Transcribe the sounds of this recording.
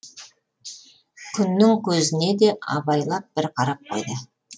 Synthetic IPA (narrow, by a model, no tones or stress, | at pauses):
kʲʰʏnːɪŋkʲʰɵzɪne̞d̪e̞ʔɑ̰bɑjlˠɑp̚b̥ɪɾqʰɑɾɑp̚qʰo̞̰jd̪ə